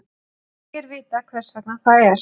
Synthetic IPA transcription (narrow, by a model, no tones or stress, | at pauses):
ɛɾvɪːt̪akʰvɛr̥svɛknakʰvaːðɛɾ̥